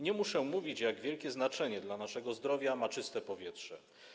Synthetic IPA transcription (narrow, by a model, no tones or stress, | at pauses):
ɲɛmuʂɛmuvʲit͡ɕjaɡvʲjɛlkʲɛznat͡ʂɛɲɛd̪lanaʂɛɡɔzd̪ɾɔvʲjamat͡ʂɘst̪ɛpɔvʲjɛtʂɛ̰